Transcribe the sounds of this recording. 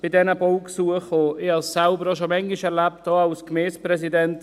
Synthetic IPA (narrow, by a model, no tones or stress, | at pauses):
b̥ɪdɛnəbɔlksuəχoɪasːaʊbəɾɔʃ̬omɛŋɪʃɛɾlap̚t̚dɔːawskmɛːspɾɛs̬idɛnt